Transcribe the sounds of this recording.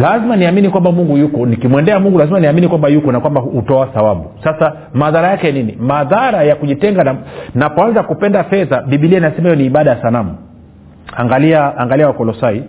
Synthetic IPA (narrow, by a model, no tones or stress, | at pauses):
lazimaniaminikwambamuŋɡujukɔnikimwɛndɛamuŋɡulazimaniaminikwambajukɔnakwambahutɔasawaɓusasa | maðaɾajakɛninimaðaɾajakuʄitɛŋɡananapɔanzakupɛndafɛðaɓiɓiliɛniasɛmajɔniːɓaɗajasanamu | aŋɡaliaaŋɡaliawakɔlɔsai